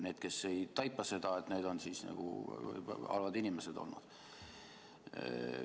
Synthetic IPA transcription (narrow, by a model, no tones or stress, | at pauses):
ne̞ːd̪̥̚ke̞se̞jt̪ɑjpːˑɑse̞d̪̥ɑe̞t̪ːˑne̞ːd̪o̞nsiːsnɑ̰ɡ̥ṵ | ɑ̰lvɑd̪inimesed̪o̞̰lnṵd̪̥